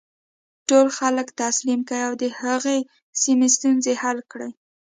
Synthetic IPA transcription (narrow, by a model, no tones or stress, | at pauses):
ʈolxaləkt̪aslimkəjawd̪əhaɣe | simest̪unzehalkɽəj